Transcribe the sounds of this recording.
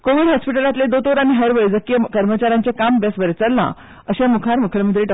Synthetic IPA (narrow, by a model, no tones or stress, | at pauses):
koʋiɽɦɔspiʈəlat̪led̪ot̪oɾañiɦəɾʋəjd͡zəkijəkəɾmət͡ɕaɾjãɲt͡ɕjakambesbəɾet͡səɾlã̰ | əɕamukʰaɾmukʰəɭeməd̪ʱːleʈ